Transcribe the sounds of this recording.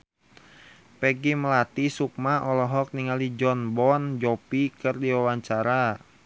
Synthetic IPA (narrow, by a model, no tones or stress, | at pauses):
pɛɡiməlat̪isuk̚maʔɔlɔɦɔk̚niŋalid͡ʒɔnbɔnd͡ʒɔpikərdiwawaɲt͡ʃaɾa